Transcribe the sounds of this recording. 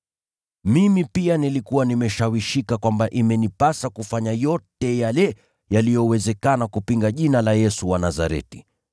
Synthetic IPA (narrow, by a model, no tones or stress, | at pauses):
mimipianilikuwanimɛʃawiʃikakwambaʔimɛnipasakufaɲajɔtɛjalɛ | jalijɔwɛzɛkanakupiŋɡaʄinalajɛsuwanaza̰ɾɛ̰ti̥